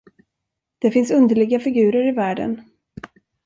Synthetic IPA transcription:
d̪̥ɛfɪnsɵnd̪əɭɪɡafɪɡʉ̟ːɾəɾɪvæːɖə̰n

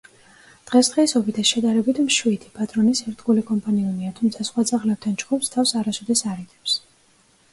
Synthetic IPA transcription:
d̪̥ʁɛsd̪ʁɛisɔbid̪ʰanʃɛd̪aɾɛbit̪ʰmʃwit̪ʰi̥pʼat̪ʼɾɔnisɛɾt̪ʰɡulikʼɔmpʼaniuniat̪ʰumt̪sʰasχwat̪sʼaχlɛb̚d̪ʰant͡ʃɡumst̪ʰafsaɾasɔd̪ɛsaɾid̪ɛps

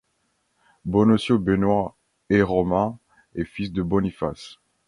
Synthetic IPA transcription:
bɔnɔsjobenwa | eʁɔmɛ̃ | ɛfisd̪əbɔnifas

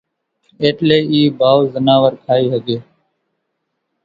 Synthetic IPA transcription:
eːʈleːiːbʱaːozənaːʋəɾkʰaːiːɦəɡeː

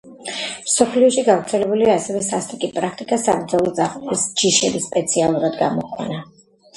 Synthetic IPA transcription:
msɔpʰliɔʃiɡavɾt̪sʰɛlɛbuliaːsɛvɛsast̪ʼikʼipʼɾakʰt̪ʼikʼasabɾd̪zalˠɔd̪zaχʼisd͡ʒiʃɛbispʼɛt̪sʰialˠuɾad̪ɡa̰mɔkʼʰwa̰na

